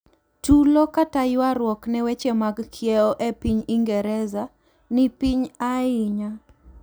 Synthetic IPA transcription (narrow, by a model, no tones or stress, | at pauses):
tulɔkatajɪwaɾwɔknɛwet͡ʃemaɡkʰjɛɔʔepiɲiŋɡɛɾɛza | nɪpiɲaɪɲa